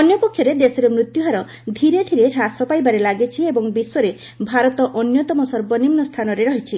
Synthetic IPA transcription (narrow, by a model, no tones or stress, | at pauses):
ɔnjɔpɔkʰːjɔɾed̪esɔɾemɾut̪juɦaɾɔ | d̪ʱiɾeʈʰiɾeʈʰasɔpajbaɾelaɡet͡ʃʰiebɔŋbiswɔɾe | bʱaɾɔt̪ɔʔɔnjɔt̪ɔmɔsɔɾbɔnimnɔst̪ʰanɔɾeɾɔɦit͡ʃʰi